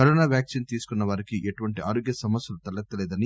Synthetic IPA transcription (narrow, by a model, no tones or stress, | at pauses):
kɐɾoːnaːʋjaːksint̪iːsu̥kunːɐʋaːɾikiʔeʈuʋɐɳʈiʔa̰ːɾoːɡjɐsɐmɐsjɐlut̪ɐlːɐk̚t̪ːɐlɛːd̪ɐni